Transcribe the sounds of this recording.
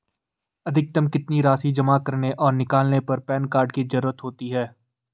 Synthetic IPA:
ɐd̪ʱɪk̚t̪ɐmkɪt̪niɾaːsid͡ʒɐmakɐɾneʔɔːɾnɪkaːlnepɐɾpɛːnkaːɾɖkid͡ʒɐɾuːɾət̪ɦoːt̪iɦɛː

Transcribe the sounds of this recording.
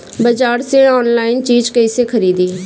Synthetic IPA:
bəd͡ʒaːɾseɔːnlaːɪnt͡ʃiːd͡ʒkəɪsekʰəɾiːd̪iː

